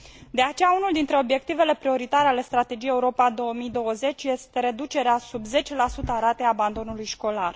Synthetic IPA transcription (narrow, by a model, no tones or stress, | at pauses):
d̪e̞at͡ʃejaunuld̪int̪ɾe̞o̞bje̞k̚t̪ive̞le̞pɾio̞ɾit̪aɾeale̞st̪ɾat̪e̞d͡ʒijeuɾo̞pad̪o̞əmid̪o̞wəze̞t͡ʃʲje̞st̪e̞ɾe̞d̪ut͡ʃe̞ɾeasubze̞t͡ʃelasut̪əaɾat̪e̞aband̪o̞nulujʃko̞lar